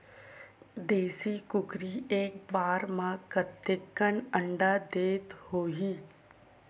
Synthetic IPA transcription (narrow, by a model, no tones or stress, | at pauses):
d̪eːsikʊkɾieːk̚baːɾmãkət̪ːəkːənə̃ɳɖad̪eːt̪hoːɦiː